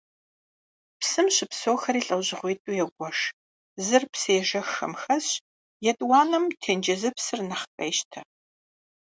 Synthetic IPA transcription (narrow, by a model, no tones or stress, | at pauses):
psɨmɕʼɪpsoːxɐɾiːɬʼɐwʑɪʁʷiːtʼuːjɛɡʷɔʂ | zɨrpseːʒɐxɐ̰mxɐɕ | jɛtʼwɑːnɐmtʰeːnd͡ʒɐzɨpsɨrnɐχkʼɐ̰ːʃtʰɐ